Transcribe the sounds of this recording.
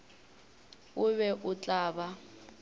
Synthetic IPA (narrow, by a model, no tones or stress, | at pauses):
ʊβɛʔʊt͡ɬʼaːβa